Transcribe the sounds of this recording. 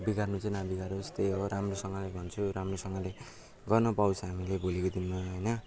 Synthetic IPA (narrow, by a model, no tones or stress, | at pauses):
bikarnut͡sʌjnabikaɾost̪ejɦoɾamrosʌŋɡʌlebʱʌnt͡sʰuɾamrosʌŋɡʌle | ɡʌrnʌpaw̃t͡sʰʌɦamilebolekod̪inmaɦʌjnʌ